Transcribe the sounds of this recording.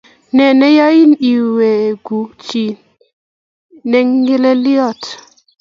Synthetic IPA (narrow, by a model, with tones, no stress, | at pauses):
nɛ˨nɛ˦ja˦i˦ni˨we˨ɡu˨t͡ʃi˨ | nɛ˦ŋɡɪ˦lɛ˦ljɔ˦˨t